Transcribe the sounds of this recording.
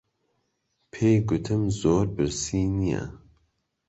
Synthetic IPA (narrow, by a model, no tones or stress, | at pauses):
pʰeːɡʊt̪ʰɨmzoːɾbɨɾsiːnija̰